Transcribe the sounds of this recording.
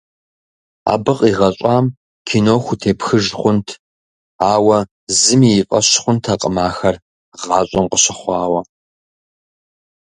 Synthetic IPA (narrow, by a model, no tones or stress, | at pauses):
a̰ːbɨqʼiːʁɐɕʼɑːm | kʰinoːxʷʊtʰeːpxɨʒχʷʊntʰ | aːwɐ | zɨmiːqʼɐ̰ɕχʷʊntʰaqʼəmaːxɐr | ʁɑːɕʼɐmqʼəɕɐχʷɑːwɐ